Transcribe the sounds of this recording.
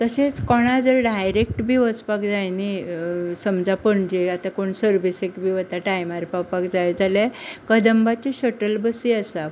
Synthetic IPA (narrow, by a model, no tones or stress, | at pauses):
t̪əset͡skɔɽ̃ad͡zəɾɖajɾek̚ʈbʱiːʋət͡spakd͡zajnisəmd͡zapəɳd͡ʑeat̪akoɳsəɾbisekbʱiːʋət̪aʈajmaɾpapakd͡zajd͡zalekəd̪əmbat͡ɕeɕəʈəlbəsiəsa